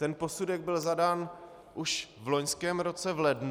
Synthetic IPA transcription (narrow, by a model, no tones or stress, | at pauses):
ɛnpo̞sudɛɡ̚bɪlzadaːn | ʔuʃvlo̞ɲskɛːmɾo̞t͡sɛvlɛdn